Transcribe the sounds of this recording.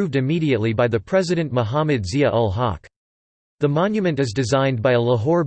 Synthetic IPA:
ʉvdɨmiɾiɨtˡlibaɪðɨpʰɹ̥ɛzɨɾɨ̃nmoɦæmɨdziɨʔɔlˠɦɑ̰k | ðəmɑ̃njɨmɨ̃ntɨzdɨzãɪ̃nbaɪələɦɔɹ

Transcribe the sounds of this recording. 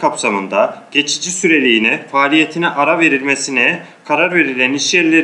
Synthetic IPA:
kʰapsamɯnd̪aɟ̥e̞t͡ʃʰid͡ʒisyɾe̞lʲijːnɛfaːlʲije̞t̪ʰinɛʔaɾave̞ɾilʲmesinɛ | kʰaɾaɾve̞ɾilʲæniʃjɛɾlʲeɾ

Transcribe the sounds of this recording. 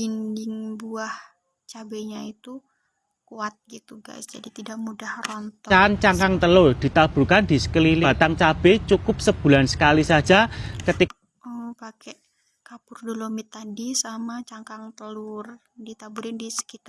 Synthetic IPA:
indɪŋbuah | t͡ʃabeɲait̪u | kuat̪̚ɡit̪uɡa̰jsd͡ʒadit̪idak̚mudahrɔnt̪ant͡ʃaŋkaŋt̪əlʊrd̥it̪aburkandisə̥kəlilat̪aŋt͡ʃab̥ɛt͡ʃukʊp̚səb̥ṳlansə̥kalisad͡ʒakət̪i | ɔpakɛʔ | kapʊrdolomit̪adisamat͡ʃaŋkaŋt̪əlʊr | dit̪abuɾɪndisə̥kit̪a

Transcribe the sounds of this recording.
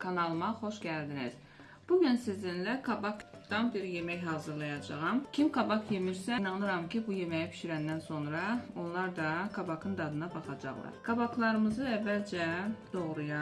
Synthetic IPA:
kʰɑnɑlˠmɑχo̞ʃɟæld̪iniz̥ | b̥umænsizinlækʰɑbɑkd̪ɑnbiɾje̞mæjɦɑːzɯɾlˠɑjɑd͡ʒɑʁɑmcʰimkʰɑbɑkʰje̞miɾsænɑnɯɾɑmcʰibuje̞mæjipʰy̥ʃyɾænd̪ænso̞nɾɑo̞nlˠɑɾd̪ɑkʰɑbɑkʰɯnd̪ɑd̪ɯnɑbɑχɑd͡ʒɑ̰ʁlˠɑ̰ɾkʰɑbɑkʰlˠɑɾɯmɯzɯævːæld͡ʒɛd̪̥o̞ʁɾujɑ

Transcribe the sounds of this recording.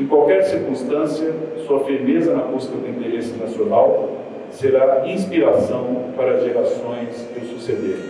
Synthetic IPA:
ẽkwawkɛɾsiɾkũst̪ɐ̃siɐsuɐfiɾmezɐnɐbuskɐd̪ʊĩnt̪eɾesɪnasionaw | seɾaĩspiɾasɐ̃w̃paɾɐɐzʒelasõj̃sd̪ɪsused̪eɾ

